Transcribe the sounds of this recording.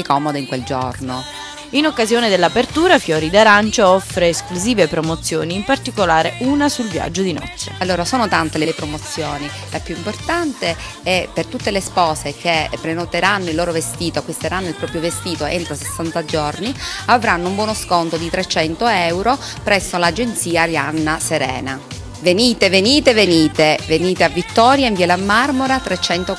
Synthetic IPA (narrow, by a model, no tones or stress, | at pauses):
ekɔmod̪eiŋkweld͡ʒo̰rno | inokːazjoːned̪elːapert̪uːɾafjɔːɾid̪aɾant͡ʃaɔfɾeːskluziːvepɾomot̪sːjoːniːmpart̪ikolaːɾeʔuːnasulvja̰d͡ʒːod̪inɔ̰t̪sːḛalːoːɾasoːnot̪ant̪elelepɾomot̪sːjoːni | lapjuimport̪ant̪e | ɛpːert̪ut̪ːelespɔːsek̟epːɾenot̪eɾanːoilːoːɾovest̪iːt̪oakːwist̪eɾanːoilpɾɔːpɾjovest̪iːt̪oʔḛnt̪ɾosesːant̪ad͡ʒorniavɾanːoumbwɔːnoskont̪od̪it̪ɾet͡ʃɛnt̪oɛwɾo | pɾɛsːolad͡ʒent̪siːaljanːaseɾɛ̰ːna | veniːt̪eveniːt̪eveniːt̪eveniːt̪eavːit̪ːɔːɾjaiɱviːalamːarmoɾat̪ɾet͡ʃɛnt̪o